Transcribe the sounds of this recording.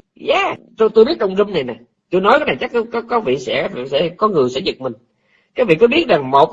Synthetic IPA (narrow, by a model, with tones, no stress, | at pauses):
zaː˨˩t͡ɕo˧t̪o˧jɓi˦˥ət̚t͡ɕə˧wŋ͡mzə˧mna˨˩jna˨˩j | t̪o˧jnɔ˨˦jkaː˨˦jna˨˩t͡ɕa˦˥k̚ːkɔ˨˦kɔ˨˦vḭ˧˨sɛ̰˧˥vsɛ̰˧˥kɔ˨˦ŋɨ˨˩əjsɛ̰˧˥zɨ˨˩k̚mï˨˩ŋ̟ | kaː˨˥jvḭ˧˨kɔ˨˦ɓi˦˥ət̚za˨˩ŋmo˨˩t̚